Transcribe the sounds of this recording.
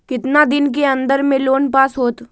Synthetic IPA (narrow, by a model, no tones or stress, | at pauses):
kɪt̪nad̪ɪnk̬eɐ̃nd̪əɾmẽloːnpaːsɦoːt̪